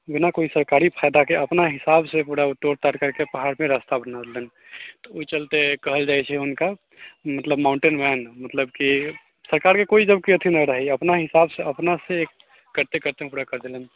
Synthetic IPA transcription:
bɪnakoisəɾkaɾipʰaɪd̪akeʔəpnaɦɪsabsẽpuɽaut̪ːoɾt̪aɾkəɾkepəɦaɾmẽɾast̪abənad̪elən | t̪ɔoit͡ʃəlt̪ekəɦəld͡ʒajt͡ʃʰɛɦʊnka | mət̪ləbmaʊ̃ɳʈenbʱɛnmət̪ləbki | səɾkaɾkekoid͡ʒəbkiət̪ʰinəɾəɦiəpnaɦɪsabseəpnaseek | kəɾt̪ekəɾt̪emepuɽakəɾd̪elən

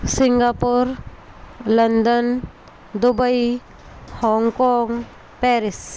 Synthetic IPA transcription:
sɪ̃ŋɡapuɾ | lɐnd̪ən | d̪ubəi | hɔːŋkɔːŋ | pɛɾɪs

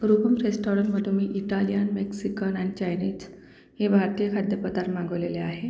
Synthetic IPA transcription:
ɾupəmɾesʈɔɾəɳmət̪umiːʔiʈalijanmeksikənanit͡ɕajniːd͡ʑ | hebʱaɾt̪ijəkʰad̪jəpət̪aɾmãŋɡəʋleleaɦe

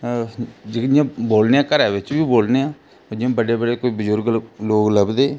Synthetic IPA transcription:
d͡ʒɪkɪjãːboːlneːaːkəɾɛːʋɪt͡ʃbiːboːlneːãː | dãːbəɖeːbəɖeːkoːiːbəzʊɾɡloːɡləbd̪eː

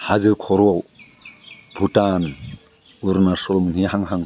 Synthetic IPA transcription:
hazɯkʰɔɾɔw | bʱutan | uɾnasɔlumnihaŋɦaŋ

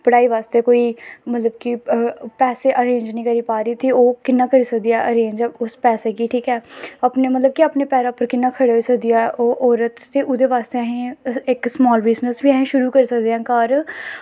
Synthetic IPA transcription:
pəɽaːiːʋaːst̪eːkoːiːmət̪ləbkipɛːseːʔəɾẽːɲd͡ʒnĩːkəɾiːpaːɾiːt̪ioːkɪnːaːkəɾiːsəkd̪ijaʔəɾẽːɲd͡ʒʊspɛːseːkiːʈʰiːkɛːaːpneːmət̪ləb̚kiaːpneːpɛːɾaːpəɾkɪnːaːkʰəɽːiːsəkd̪ijaːɛʔoːʔɔːɾət̪t̪ːeːʔʊd̪eːʋaːst̪eːəɦẽːɪksmɔːlbɪznəsbiːəɦẽːʃʊɾuːkəɾiːsəkd̪eːãːkaːɾ

